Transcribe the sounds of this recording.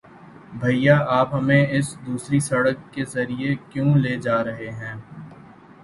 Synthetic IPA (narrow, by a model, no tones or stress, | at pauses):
bʱɐijaʔaːpɦɐmẽɪsd̪uːsɾisɐɽəkːezɐɾiekjõːleːd͡ʒaːɾɐɦeɦɛ̃ː